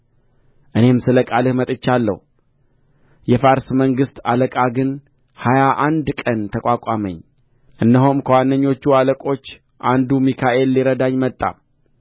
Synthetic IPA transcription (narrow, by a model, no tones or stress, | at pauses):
ʔɨne̞msɨləkʼalɨhmət̪ʼɨt͡ʃːalːə̰hu | jɛfaɾsməŋɡɨst̪aləkʼaɡɨn | hajaʔand̪kʼənt̪ʰəkʼʷakʷʼamə̰ɲː | ʔɨnːəɦomkʰəwanːəɲːo̞t͡ʃːualəkʼo̞t͡ʃː | ʔand̪umikʰaʔe̞lːiɾəd̪aɲːmət̪ʼːa̰